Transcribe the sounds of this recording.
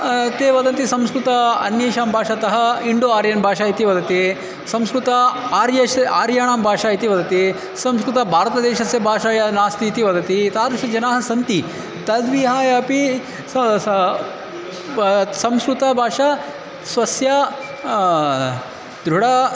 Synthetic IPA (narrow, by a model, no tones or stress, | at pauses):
t̪eːʋɐd̪ɐnt̪isɐmskɾut̪ɐɐ̰njeːʃaːmbʱaːʃɐt̪ɐɦɐiɳɖoaːɾjɐnbʱaːʃaːit̪iʋɐd̪ɐt̪i | sɐmskɾut̪ɐaːɾjɐʃaːɾjaːɳaːmbʱaːʂaːit̪iʋɐd̪ɐt̪i | sɐmskɾut̪ɐbʱaːɾɐt̪ɐd̪eːʃɐsjɐbʱaːʃaːjɐnaːst̪iːt̪iʋɐd̪ɐt̪it̪aːɾʂɐd͡ʒɐnaːɦɐsɐnt̪i | t̪ɐd̪ʋiɦaːjɐpi | sɐmskɾut̪ɐbʱaːʂa | sʋɐsja | d̪ɾuɽɐ